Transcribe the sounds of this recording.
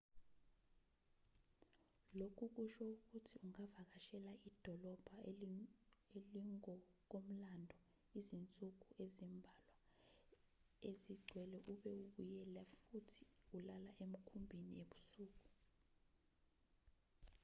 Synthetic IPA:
lokʰuk̬uʃɔuk̬utʰiuŋavak̬aʃɛlaʔid̥ʱɔlɔb̥ʱa | eliŋɔk̬om̩landʱɔ | izint͡sʼuk̬uʔezimbʱalwa | eziɡ͡ǀʱwɛlɛʔuɓɛuɓujɛlafutʰi̥ulalaʔem̩kʰumbʱinḭeɓu̥suːk̬u

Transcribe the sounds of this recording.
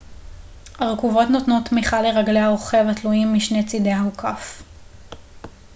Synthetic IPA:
haʁekuvo̞tnotnotːmiχaleʁaɡleaoχe̞vatluimːiʃne̞t͡sidehaukʰaf

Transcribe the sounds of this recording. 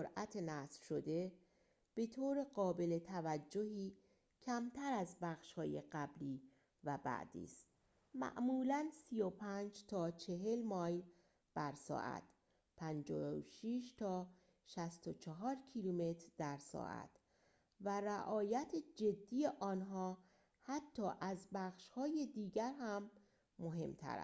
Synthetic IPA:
oɾʔæt̪ʰenæsfʃo̞d̪e̞ | b̥e̞t̪ʰoːɾeɢɒːbe̞let̪ʰævæd͡ʒːohiː | cʰæmt̪ʰæɾæzbæxʃhɒːjḛɢæbliː | væbæ̰ʔd̪̥ḭːst̪ | mæ̰ʔmuːlænsijopʰænd͡ʒt̪ʰɒːt͡ʃʰeɦe̞lmɒːjl | b̥æɾsɒ̰ːʔæ̰t̪ | pʰænd͡ʒɒːoʃiʃt̪ʰɒː | ʃæst̪ot͡ʃʰeɦɒːɾcʰilume̞t̪ʰɾd̪æɾsɒ̰ːʔæ̰t̪ | væɾæʔɒːjæt̪ʰed͡ʒe̞d̪ːiːjeʔɒːnɦɒː | hæt̪ʰːɒːʔæzbæːxʃhɒːje̞d̪iːɟæɾhæmː | oɦe̞̰mt̪ʰæ̰ɾæ̰

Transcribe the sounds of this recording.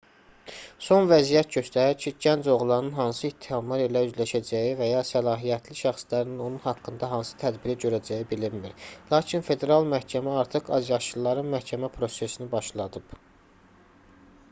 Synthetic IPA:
so̞nvæzijæt̪̚ɟø̞st̪æɾæɾcʰiɟænd͡ʒo̞ɣlˠɑɾnɯnɦɑnsɯit̪ʰːihɑmlˠɑɾelæyzlæʃæd͡ʒæjivæjɑsælɑːɦijæt̪ʰliʃæχslæɾnino̞nunhɑkːɯnd̪ɑɦɑnsɯ̥t̪ʰæd̪biɾiɟø̞ɾæd͡ʒæjibiliɾmiɾlˠɑːcʰinfe̞d̪e̞ɾɑlˠmæhcʰæmæɑɾt̪ʰɯqɑ̰zjɑʃɯlˠːɑɾɯnmæhcʰæmæpʰɾo̞se̞sinibɑʃlˠɑd̪ɯb̥

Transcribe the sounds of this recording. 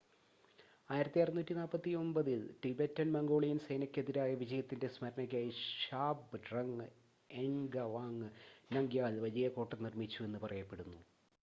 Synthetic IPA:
aːjiɾɐt̪ːiajrɐðunːuːtːinaːlpːɐt̪ːio̞mbɐðilʈibetːɐnmɐŋɡo̞ːɭijɐnsejnɐkʲːeðiɾaːjɐʋid͡ʑɐjɐt̪ːinde̞smɐɾɐnɐkʲːaːjiɕaːbɨɖrɐŋ | eŋɡɐʋaːŋnɐŋɡjaːlʋɐd͡ʑɐjɐko̞ːʈːɐnirmit͡ɕːue̞nːɨpɐrɐjɐpːe̞ɽunːu

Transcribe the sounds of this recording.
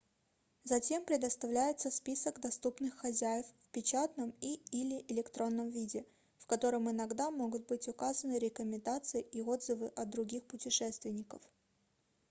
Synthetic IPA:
zɐtʲe̞mpɾʲɪd̪əst̪ɐvlʲæjɪt̪səspʲisəɡd̪ɐst̪upnɨxːɐzʲæjɪffpʲɪt͡ɕat̪nəmiilʲɪʔɪlʲɪkt̪ɾo̞nːəmvʲidʲɪ | fkɐt̪o̞ɾəmɪnɐɡd̪amo̞ɡʊt̪̚bɨtʲʊkazənɨɾʲɪkəmʲɪnd̪at̪sɨɪʔio̞d̪zɨvɨʔɐt̪̚d̪ɾʊɡʲixpʊtʲɪʂɛst̪vʲɪnʲɪkəf

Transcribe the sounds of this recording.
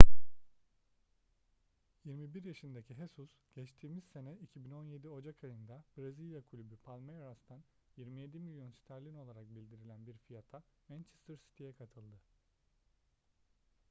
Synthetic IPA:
jiɾmibiɾjaʃɯnd̪acʰiɦesusɟ̥ɛt͡ʃt̪ʰiːmiz̥se̞nɛicʰibino̞nje̞d̪io̞d͡ʒakʰajɯnd̪abɾazilʲˠjakʰulʲybypʰalʲmejɾast̪ʰan | jiɾmije̞d̪imilʲjo̞nsi̥t̪ʰæɾlʲino̞lˠaɾak̚bilʲd̪iɾilʲænbiɾfijat̪ʰamænt͡ʃʰɛst̪ʰəɾsi̥t̪ʰijɛkʰat̪ʰɯlˠd̪ɯ

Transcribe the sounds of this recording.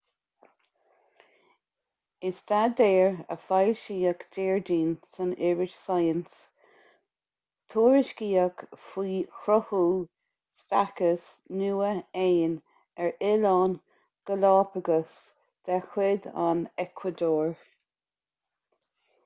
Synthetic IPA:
ɪsd̪̥ad̪ɛːɹə̰fajʃiːəkd̪̥ɛːɹdiːnsənɪɹɪʃsajəns | t̪ʰuːɹɪʃkiːəkfiːxɾɔhuː | spakəsnuːəeːn | ɛɹɪlɑːn | ɡ̥əlɑːpəɡəs | d̪̥ɛxwɪd̪a̰nɛkʰwəd̪oːɹ

